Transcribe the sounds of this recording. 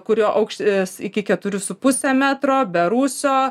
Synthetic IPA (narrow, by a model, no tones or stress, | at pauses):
kʊɾʲoːʔɐʊkʃʲtɪsɪkʲɪkʲɛt̪ʊɾʲʊsʊpʊsʲɛmʲæːt̪ɾoːbʲɛɾuːsʲoː